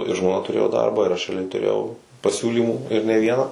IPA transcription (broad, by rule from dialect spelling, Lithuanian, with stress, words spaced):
ɪ ʒmoːˈnɐ tʊˈrʲeːjoː ˈdɐrbɑː ɪr ˈɐʃ rʲɛɐˈlʲɛɪ tʊˈrʲeːjɛʊ pɐˈsʲuːlʲiːmuː ɪr nʲɛ ˈʋʲiɛnɑː